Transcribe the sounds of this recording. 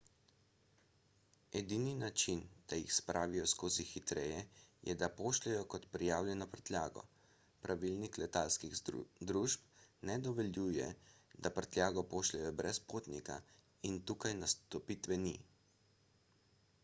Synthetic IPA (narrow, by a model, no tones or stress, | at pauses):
ɛd̪ininat͡ʃind̪̥ajixspɾʔaːʋijɔskoːzixit̪ɾɛjɛjɛ̰d̪apoːʃlɛjɔkɔt̪pɾijaːwlʲjɛnɔpəɾt̪lja̰ːɡɔ̰ | pɾʔaʋilniklɛt̪alskixd̪ɾuʃp̚nɛd̪ɔʋɛljuːjɛ̰d̪apɾt̪lʲjaːɡɔpoːʃlɛjɔbɾɛspoːt̪nika̰ | int̪uːkajnast̪ɔpit̪ʋɛni